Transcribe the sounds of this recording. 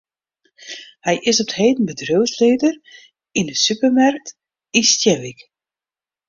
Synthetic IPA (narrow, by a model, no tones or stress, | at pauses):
hɛjʔɪsɔp̚theːdən̩bədrøwsleːdər | indəsypərmark̚t | instjɛʋik